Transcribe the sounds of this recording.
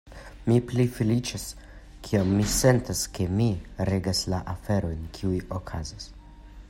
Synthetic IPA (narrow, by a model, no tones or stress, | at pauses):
miplifelit͡ʃas | kʰiomːise̞ntaske̞miɾe̞ɡaslaʔafe̞ɾo̞jnkʰiujokʰazas